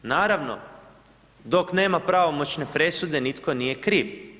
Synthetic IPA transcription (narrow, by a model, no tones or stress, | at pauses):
naːɾaʋno̞̰ | d̪okne̞ːmapɾaʋomot͡ɕne̞pɾe̞sud̪e̞nit̪ko̞nije̞kɾiːʋ